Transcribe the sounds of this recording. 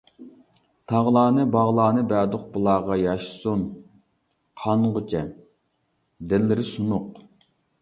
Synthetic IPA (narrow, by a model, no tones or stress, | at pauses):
t̪ʰɑʁlˠɑːnɨbɑʁlˠɑːnɨbæːd̪ʊq̚bɨlˠɑːʁɑjɑʃsun | qʰɑnʁʊt͡ʃʰɛ | d̪ɪlːɪɾɪsunʊq